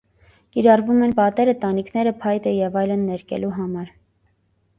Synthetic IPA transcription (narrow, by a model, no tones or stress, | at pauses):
kiɾɑrvumɛnpɑt̪ɛɾət̪ɑnikʰnɛɾəpʰɑjt̪əjɛvɑjlənːɛɾkɛ̰luɦɑmɑɾ